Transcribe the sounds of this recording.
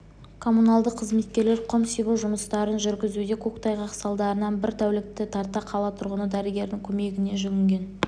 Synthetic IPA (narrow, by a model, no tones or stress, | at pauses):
kʰo̞munɑlˠd̪əqʰːəzme̞t̪̚kʲe̞ɾle̞ɾqʰomsibuʒʊməst̪ɑɾənʒʏɾɡʲɪzud̪e̞kʲʰokt̪ɑjʁɑqsɑlˠd̪ɑɾənɑnbɪɾt̪ʰæwlɪk̚t̪ɪt̪ʰɑɾt̪ɑqʰɑlˠɑt̪ʰʊɾʁənəd̪æɾɪɡʲe̞ɾd̪ɪŋkʲʰɵme̞ɡʲɪne̞ʒʏɡʲɪŋɡʲe̞n